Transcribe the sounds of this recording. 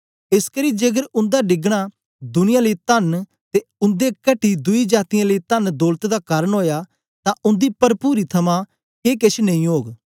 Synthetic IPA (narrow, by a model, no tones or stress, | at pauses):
ɪskəɾiːd͡ʒeːɡəɾʊ̃nd̪aɖɪɡɽ̃a | d̪ʊnɪjãləiːt̪ɐn | t̪eʊ̃nd̪ekɐʈid̪ʊid͡ʒaːt̪ɪjãːləit̪ənd̪oːlt̪d̪akaːɾənɦoːja | t̪ãʔʊ̃nd̪iːpɐɾpuːɾit̪ʰɐmã | keːk̬et͡ʃʰnɐ̃ĩɦoːɡ